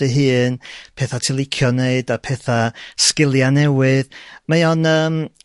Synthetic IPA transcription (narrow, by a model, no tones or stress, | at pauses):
ɨɦɨːnpʰeːθatʰilˠɪkʰjɔneɨdapʰɛːθaskɪlˠjanɛwɪðmajɔnəːm